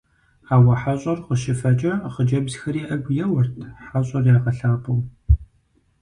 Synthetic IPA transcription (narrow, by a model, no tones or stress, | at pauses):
aːwɐħaɕʼɐrqəʃɪfɐt͡ʃʼɐχəd͡ʒɐbzxɐɾiːʔɐɡʷjɛwɐrtʰħaɕʼɐrjaːʁɐɬaːpʼum